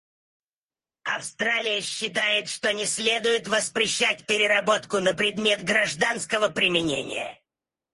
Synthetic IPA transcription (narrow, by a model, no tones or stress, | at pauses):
ɐfst̪ɾalʲɪjəɕːɪt̪̬ajɪt̪ʂt̪onʲɪsʲlʲe̞d̪ʊjɪt̪vəspɾʲɪɕːæt̚ʲpʲɪɾʲɪrɐbo̞t̪kʊnəpɾʲɪd̪mʲe̞t̪ɡɾɐʐd̪anskəvəpɾʲɪmʲɪnʲḛnʲɪ̰jə̰